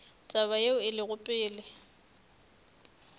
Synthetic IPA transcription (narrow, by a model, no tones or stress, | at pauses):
t͡sʼaβajeʊɪlɪɣʊpʼɪːlɪ